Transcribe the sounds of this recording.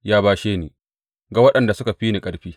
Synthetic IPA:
jaː˦baː˦ʃeː˦niː˨ | ɡa˨wɐ˦ɗɐ˨nda˨sʊ˦ka˨ɸiː˦ni˨kʼɐ˨ɽɸiː˦

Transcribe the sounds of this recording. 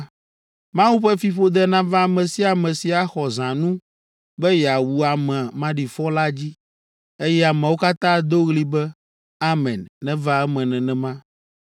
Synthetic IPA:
mã˦wu˦ɸɛ˦fi˨ɸo˦d̪ɛ˦nã˦vã˦˨mɛ̃˨si˦a˨mɛ̃˨si˨a˨xɔ˨zã˨nũ˦ | bɛ˦ja˨wu˨a˨mɛ̃˨a˨mã˦ɖi˨fɔ˦la˦d͡ʑi˦ | e˦jɛ˦a˨mɛ̃˨wo˦ka˦t̪ã˦d̪o˦ɣli˦bɛ˦ | a˦mɛ̃˨nːɛ̃˦va˦ɛ˦mɛ̃˨nɛ̃˨nɛ̃˨mã˦

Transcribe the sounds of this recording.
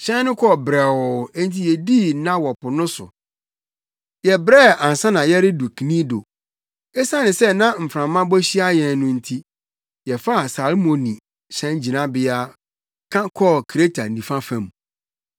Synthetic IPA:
ɕɛ̃˦n˦nʊ̃˦kʰɔ˦˨bɾɛ˨wɔ˨ɛ˦n˦tʰi˦jɛ˨di˦nã˦wɔ˨pʊ˨nʊ̃˦sʊ̰˨ | jɛ˨bɾɛ˦˨ã˨n˨sã˦nã˨jɛ˦ɾɪ˦du˨kʰi˨nĩ˦do̰˨ | ɛ˦sã˦nɪ̃˨sɛ˦nã˦m̩˨fɾã˨mːã˦bɔ˦ɕi˦a˦jɛ̃˨n˦nʊ̃˦n̩˦tʰi˦ | jɛ˨fa˦˨sa˨lmõ˨nĩ˨ | ɕɛ̃˦n˦d͡ʑi˨nã˦bɪ˦a˦ | kʰã˦kʰɔ˦kʰɾe˦tʰa˨nĩ˨fã˦fã˨m

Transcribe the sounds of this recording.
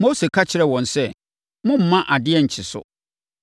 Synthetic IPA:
mo˦se˨kʰa˦t͡ɕʰɪ˨˦ɾɛ˦˨wɔ̃˨nsɛ˦ | mʊ̃˦m̩˨mã˦ʔa˨dɪ˦ɛ˦˨ɲ̩˨t͡ɕʰɪ˨sʊ̰˨

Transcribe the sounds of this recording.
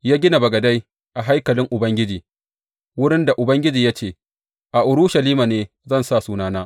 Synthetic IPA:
jaː˦ɡʲɪ˦na˨bɐ˨ɡɐ˨da˦j | ʔa˨ɦa˦jkɐ˨lɪ˦ŋʔʊ˨bɐ˦ŋɡʲɪ˦d͡ʒiː˨ | wʊ˦ɽɪ˦nda˨ʔʊ˨bɐ˦ŋɡʲɪ˦d͡ʒiː˨ja˦t͡ʃeː˦˨ | ʔa˨ʔʊ˨ɽʊ˦ʃa˨liː˦maː˨neː˦ | zɐ˦˨nsa˦˨suː˦naː˦naː˦

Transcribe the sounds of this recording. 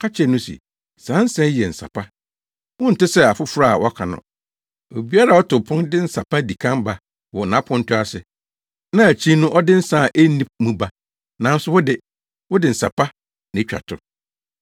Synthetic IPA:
kʰa˦t͡ɕʰɛ˨nʊ̃˦sḭ˨ | sã˨˦n˦sɛ˦jɛ˨n̩˨sa̰˨pʰa˦ | wʊ̃˦n̩˨tɪ˦sɛ˦a˨fʊ˦fʊ˦ɾa˦˨a̰˨wʔɔ˦kʰa˨nʊ̰̃˨ | o˨bi˦a˦ɾa˨ɔ˦tʊ˨pʰʊ̃˦ndɪ˦n̩˦sa˨pʰa˦di˨kʰã˦mba˨ | wɔ˨nã˨˦pʰʊ̃˦n̩˦tʰʊ˦a˦sɪ˨ | nã˦æ˨t͡ɕʰĩ˦nʊ̃˦ʔɔ˦dɪ˦n̩˦sa˦˨ʔe˦nĩ˦mũ˦ba˦ | nã˨n̩˦sʊ˦wʊ˦dɪ˨ | wʊ˦dɪ˨n̩˨sa̰˨pa˦ | nɪ̃˨˦t͡ɕᶣa̰˨tʰʊ̰˨

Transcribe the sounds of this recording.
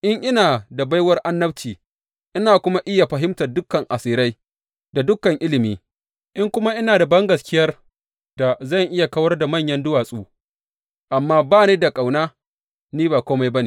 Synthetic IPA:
ʔɪ˦ŋʔɪ˦naː˨da˨ba˦jwɐ˦rʔa˦nːɐ˦ɸt͡ʃiː˨ | ʔɪ˦naː˨kʷʊ˦ma˦ʔɪ˦ja˨ɸɐ˨ɦɪ˦mtɐ˨rdʊ˦kːɐ˨ŋʔa˨siː˨ɾa˦j | da˨dʊ˦kːɐ˨ŋʔɪ˦lɪ˨miː˦ | ʔɪ˦ŋkʷʊ˦ma˦ʔɪ˦naː˨da˨bɐ˦ŋɡɐ˨skʲɪ˦jɐ˦r | da˨zɐ˦˨ŋʔɪ˦ja˨kɐ˦wɐ˦rda˨mɐ˦˨ɲjɐ˦ndʊ˦waː˨sʼuː˦ | ʔa˨mːaː˦baː˦˨neː˦da˨kʼa˨wnaː˦ | niː˦baː˨kʷoː˦ma˦jbɐ˦ni˨

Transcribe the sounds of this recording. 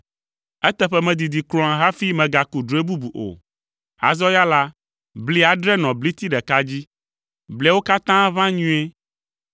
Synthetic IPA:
ɛ˦t̪ɛ˦ɸɛ˦mɛ̃˨d̪i˨d̪i˨klɔ̃˨ã˨ɦa˦fi˦mɛ̃˨ɡa˨ku˨ɖɾu˨˦e˦bu˦bu˨ʔo̰˨ | a̰˨zɔ˦ja˦la˦ | bli˦a˨ɖɾɛ˦nɔ̃˨bli˦t̪i˦ɖɛ˨ka˦d͡ʑi˦ | blɛ˨˦wo˦ka˦t̪ã˦vã˦ɲũ˦e˦

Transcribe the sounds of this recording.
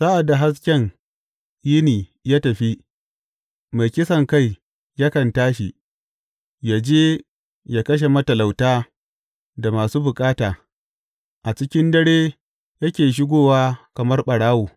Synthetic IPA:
sa˦ʔa˨dːa˨ɦa˦s̬kʲɛ˦ŋ | ji˦niː˨jaː˦tɐ˨ɸi˦ | ma˨jkʲɪ˦sɐ˨ŋka˦˨j | ja˦kɐ˨ntaː˦ʃi˨ | jaː˨d͡ʒeː˦ | jaː˨kɐ˦ʃ̬e˨mɐ˦tɐ˨la˨wtaː˦ | da˨maː˨suː˦bʊ˨kʼaː˦taː˨ | ʔa˨t͡ʃɪ˦kʲɪ˦ndɐ˦ɽeː˦ | jɐ˦kʲeː˨ʃ̬ɪ˦ɡʷoː˦waː˦kɐ˨mɐ˦rɓɐ˨ɽaː˦woː˨

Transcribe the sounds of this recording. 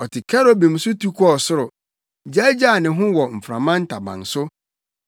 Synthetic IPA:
ɔ˨tʰɪ˨kʰɛ˦ɾɔ˦bĩ˨m̩˨sʊ˦tʰu˦kʰɔ˦˨sʊ˦ɾʊ˨ | d͡ʑa˦d͡ʑa˦˨nɪ̃˨ɦʊ̃˦wɔ˨m̩˨fɾã˨mã˦n̩˦tʰa˨bã̰˨n˨sʊ˦

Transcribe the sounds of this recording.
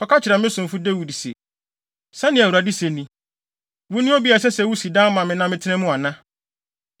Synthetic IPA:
kʰɔ˨˦kʰa˦t͡ɕʰɪ˨ɾa˨mɪ̃˦sʊ̃˨m˨fu˦de˦wi˨di˨sɛ̰˨ | sa˦nɪ̃˨æ˨wu˨ɾa˨di˦se˨nĩ˨ | wʊ̃˦nʊ̃˦ɔ˦bi˦a˨s̬ɛ˦sɛ˨wu˦si˨dã˦mã˨mɪ̃˨nã˦mɪ̃˦tʰɪ˦nɛ̃˦mʊ̃˦a˨nã˦

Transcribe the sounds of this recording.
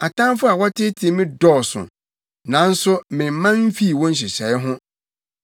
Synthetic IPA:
a˨tʰã˦n˦fʊ˦a˨wɔ˦tʰɪ˦tʰɪ˨˦˨mɪ̃˦dɔː˦˨sʊ̰̃˨ | nã˨˦n̩˦sʊ˦mɪ̃˨m̩˨mã˦m̩˦fi˦˨wɔ̃˦n̩˦ɕ̬ɪ˨ɕɛ˨˦ɪ˦ɦʊ̃˦

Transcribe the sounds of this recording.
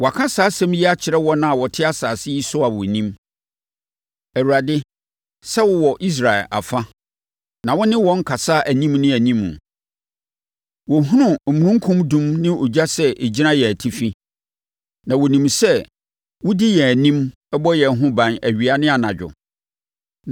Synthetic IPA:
wɔ˨a˨kʰã˦saː˨˦sɛ̃˦m˦jɛ˦a˦t͡ɕʰɪ˨ɾɛ˦wɔ˦nã˨a˨wɔ˨tʰɪ˦a˦saː˨sɪ˦ji˦sʊ˦a˨wʊ˨nĩ˦m | æ˨wu˨ɾa˨dɪ˦ | sɛ˦wʊ˨wɔ˨ʔi˦s̬ɾa˨ɛ̰˨la̰˨fa˦ | nã˨wɔ˦nɪ̃˦wɔ̃˦ŋ̩˦kʰa˨sa˦ʔæ˨nĩ˦mnɪ̃˦æ˨nĩ˦mṵ̃˨ | wɔ˨ɦũ˦nʊ̃˨mũ˨ɾũ˦ŋ̩˦kʰʊ̃˦mdũ˦mnɪ̃˦o˨d͡ʑa˦sɛ˦ʔe˨d͡ʑi˦nã˦jɛ˨æ˨tʰi˦fi˦ | nã˨wʊ˨nĩ˨msɛ˦ | wʊ˦dɪ˦jɛ˨æ˨nĩ˦m | ɛ˦bɔ˦jɛ˨˦ɦʊ̃˦bã˨næ˨ɥi˨a˨nɪ̃˦a˨nã˨d͡ʑᶣʊ̰˨

